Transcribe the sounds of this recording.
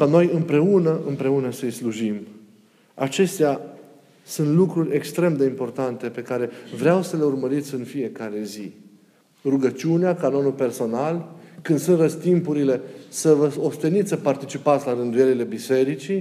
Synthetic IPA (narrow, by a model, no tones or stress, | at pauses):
kano̞jɨmpɾe̞unəʔɨmpɾe̞unəsəijsluʒim | a̰t͡ʃe̞st̪ea | sunt̪lukɾurʲe̞kst̪ɾe̞md̪e̞impo̞rt̪ant̪e̞pe̞kaɾe̞vɾeawsəle̞urməɾit̪sʲɨnfije̞kaɾe̞zi | ruɡət͡ʃiuneakano̞nulpe̞rso̞nalkɨnd̪sunt̪rəst̪impuɾile̞səvəost̪enit̪sʲsəpart̪it͡ʃipat̪sʲlaɾɨnd̪uje̞ɾile̞bise̞ɾit͡ʃi